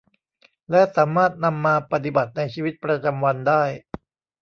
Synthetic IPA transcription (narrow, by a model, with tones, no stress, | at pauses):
lɛ˦˥saː˩˦maː˥˩t̪̚na˧mːaː˧pa˧t̪̬i˨˩ba˨˩t̪̚na˧jt͡ɕʰiː˧wi˦˥t̪̚pɾa˧t͡ɕa˧mwa˧ndaː˥˩j